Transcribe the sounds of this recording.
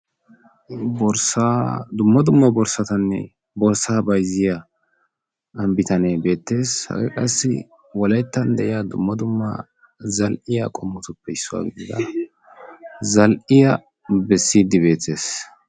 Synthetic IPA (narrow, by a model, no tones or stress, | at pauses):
bɔɾsad̪ʊmːɐd̪ʊmːɐbɔɾsɐt̪ɐnːɛ̰ | bɔɾsaːbɐjzɪja | ɐmbɪt̪ɐnebe̞ːt̪ːe̞ːshɐ̰ɡɛ̰kʼɐsːɪ̰ | wɔlɐjt̪ːɐnd̪ɛʔɪjad̪ʊmːɐd̪ʊmːɐ̰ | zɐlʔɪjakʼɔmːʊt̪ʊpːɛɪsːʊwa̰ːɡɪd̪ɪd̪ɐ̰ | zɐlʔɪjɐ | bɛsːiːd̪ːɪbe̞ːt̪ːe̞ːs